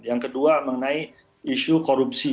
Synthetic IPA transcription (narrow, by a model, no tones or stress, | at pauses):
jaŋkəduaməŋənai | iʃukoɾup̚si